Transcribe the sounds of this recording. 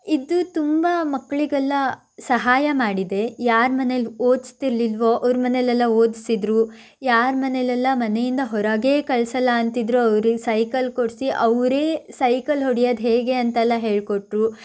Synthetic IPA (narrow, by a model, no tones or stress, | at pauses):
id̪ut̪umbaːmɐkːɭiɡɛlːɐ | sɐɦaːjɐmaːɽid̪e̞jaːɾmɐneloːd̪ist̪iɾlilʋo̞ʔɐʋɾmɐnelɛlːɐoːd̪isid̪ɾu | jaːɾmɐnelɛlːɐmɐnejind̪ɐɦɔɾɐɡeːkɐɭsɐlːɐːnt̪id̪ɾuɐʋɾiɡsɐjkɐlkoɽsiʔɐʋɾe̞ːsɐjkɐlɦoɽijɐːd̪ɦe̞ːɡe̞ɐnt̪ɐɛlːɐɦe̞ːɭkoʈɾu